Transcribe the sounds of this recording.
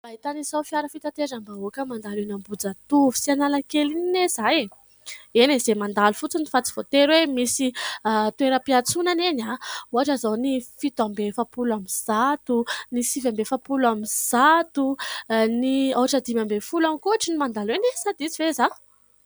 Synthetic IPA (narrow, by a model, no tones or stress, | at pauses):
b̥ait̪aniz̥awfiaɾəfit̪at̪eɾambaokəmand̪alenambud͡zat̪uvu̥sianalakelininez̥aj | enezemand̪alufut͡sunifat͡si̥v̥ot̪eɾwemisit̪ueɾəpiat͡sunanenauaʈ͡ʂəzawnifit̪ambefapulamiz̥at̪unisivambefapulamiz̥at̪unioɦaʈ͡ʂəd̪imambefulamikuaʈ͡ʂinimand̪alenesad̪it͡siveza